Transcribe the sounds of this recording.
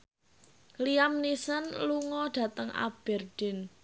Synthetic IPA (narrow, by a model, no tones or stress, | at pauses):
liamnisənluŋɔɖ̥ä̤t̪əŋʔa̰b̥ɛrd̥ɪ̤n